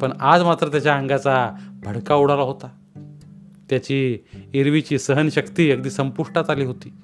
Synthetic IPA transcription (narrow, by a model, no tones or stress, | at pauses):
pəɳad͡zmat̪ɾət̪jat͡ɕjaə̃ŋɡat͡sabʱəɽkauɽalaɦot̪a | t̪jat͡ɕiːeɾʋit͡ɕiːsəɦənɕəkt̪iːəkd̪iːsəmpuʂʈat̪aliːɦot̪iː